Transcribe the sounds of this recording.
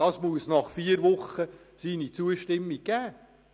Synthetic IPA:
ɑsmuəsnɑχfiːəɾʋʊχːə | siːnit͡suəʃtɪmːiɡ̚ɡ̥æː

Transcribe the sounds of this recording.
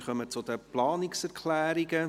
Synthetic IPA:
χœmət͡sʊd̪əplɑːnɪksɛɾkʰlæːɾiɡə

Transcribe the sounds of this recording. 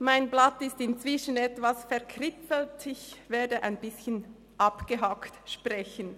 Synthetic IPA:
maɪnblatɪstɪnt͡sv̥ɪʃənɛtv̥asfɛɐʁkʰrɪpfəl̩tʰɪçveːɐdəʔa̰ɪnbɪsçən | ʔɑpɡ̥əɦɑktʃpʁɛçən

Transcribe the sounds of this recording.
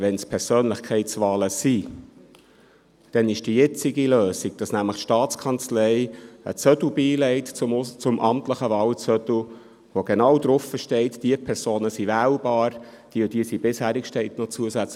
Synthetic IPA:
ʋɛnspʰɛɾsøːnləχkʰɛɪtsʋɑːləsi | d̥ɛnɪʃd̥ijɛt͡sɪɡiløːsiɡ̥̚d̥ɑsnæmləχtʃtɑːt͡skʰɑnt͡slɛɪə̰t͡sœdl̩biːlɛɪtt͡sʊmʔɑmtləχəʋɑːwt͡sœtu | ʋoɡ̥enɑwd̥̪ɾʊfəʃtɛɪtd̥iəpʰɛɾsoːnəsiʋæːlb̥ɑːɾ | d̥iːʊd̥iəsibɪshæːɾɪkʃtɛɪt̪nɔt͡suəsæt͡sl

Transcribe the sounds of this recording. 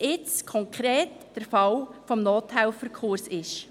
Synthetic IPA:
ɪt͡skʰɔŋkʰɾeːt | d̥əɾfɑlfɔmnoːtʰæɪlfəɾkʰoːɾsɪʃ

